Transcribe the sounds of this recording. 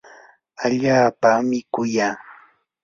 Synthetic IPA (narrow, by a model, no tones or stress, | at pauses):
aʎaːpamɪkʊjaː